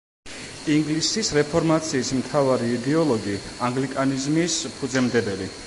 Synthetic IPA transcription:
iŋɡlisisɾɛpʰɔɾmat̪sʰiːsmt̪ʰavaɾiːd̪ɛɔlˠɔɡi | aŋɡlikʼanizmispʰud̪zɛmd̪ɛbɛli

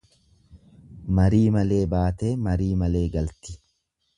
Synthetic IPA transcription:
mɐɾiːmɐle̞ːbaːt̪e̞ːmɐɾiːmɐle̞ːɡɐlt̪ɪ̥

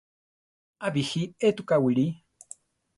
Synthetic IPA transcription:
abihiet̪ukawiɾi

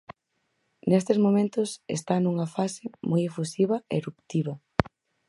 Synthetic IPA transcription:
nest̪ezmomẽnt̪ʊsḛst̪anuŋɐfasɪmɔjefusiβ̞ɐeɾupt̪iβɐ

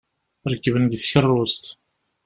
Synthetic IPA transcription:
ɾkːəvənɡθçərˤːʊst̪

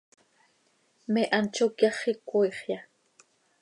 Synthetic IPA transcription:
meʔant͡ʃokjaχikojχja

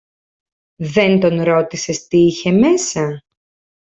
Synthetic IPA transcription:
ðe̞nt̪o̞nɾo̞t̪ise̞st̪iiçe̞me̞sɐ

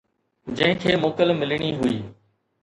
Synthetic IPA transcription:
d͡ʒə̃ɦɪ̃kʰeːmoːkəlmɪlɳ̃iːɦʊiː

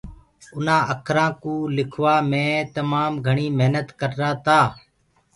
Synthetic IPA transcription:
ʊnãːʔəkʰɾãːkũːlɪkʰʋaːmẽːt̪əmaːmɡʱəɳiːmeɦnət̪kəɾːaːt̪aː

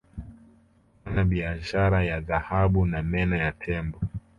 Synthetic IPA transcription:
anaɓiaʃaɾajaðahaɓunamɛnɔjatʰɛmbɔ

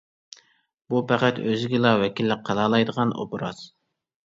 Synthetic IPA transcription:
b̥upʰæqæt̪øzɪɡʲilˠɑwɛkʲilːɪq̚qʰːɑlˠɑːlˠɑjd̪əʁɑno̰pɾɑz̥

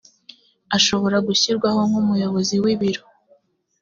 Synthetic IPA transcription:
aʃoβo̞ɾaɡuçiɾɡwaho̞ŋhumujo̞βo̞ziwiβiɾo

